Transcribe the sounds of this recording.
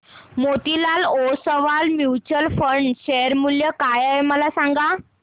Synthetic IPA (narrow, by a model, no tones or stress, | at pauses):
mot̪ilalosəʋalmjut͡ɕəlfəɳɖɕeɾmuljəkajajməlasãŋɡa